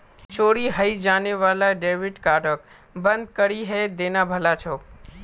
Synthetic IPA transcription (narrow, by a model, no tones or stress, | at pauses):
t͡ʃoːɾiɦəid͡ʒaːneʋaːlaɖeːʋɪʈkaːɖək | bə̃nd̪̚kəɾiɦed̪eːnabʱəlat͡ʃʰoːk